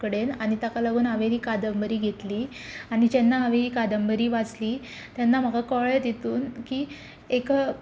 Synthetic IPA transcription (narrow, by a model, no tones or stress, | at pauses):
kəɽenaɽ̃it̪akaləɡʱuːnɦaʋẽɦiːkad̪əmbəɾiːɡʱet̪liː | aɽ̃id͡ʑenːaɦaʋeɦiːkad̪əmbəɾiːʋad͡zliː | t̪janːam̤əɡakɔɭət̪et̪uːnkiː | ekə